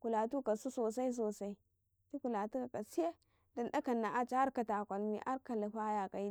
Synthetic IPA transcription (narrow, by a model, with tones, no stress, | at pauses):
ku˨la˨tu˦ka˨su˦so˨sa˦i˦s̬o˨sa˦i˦ | ti˦ku˨la˨tu˦ka˨ka˨si˦je˦ | da˨nda˦ka˨nːa˨ʔa˦t͡ʃa˦a˦ɾka˨ta˨kʷa˨lmḭ˨ʔa˦ɾka˨la˨ɸa˦ja˨ka˨i˦